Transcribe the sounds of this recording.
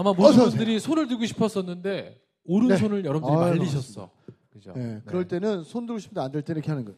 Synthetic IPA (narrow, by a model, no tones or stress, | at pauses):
amamoundɯɾisʰonɯɭtɯɭɡoɕʰi̥pʰʌs͈ʌnːɯnde̞ | oɾɯnsʰonɯɭjʌɾʌmdɯɾiaɭːiɕ̬ʰʌs͈ʌ̰ | kɯd͡ʑo̰jekɯɾʌɭt͈e̞nɯnsʰondɯɡoɕʰipʰndandeɭt͈enɯɾkʰeanɯnɡʌ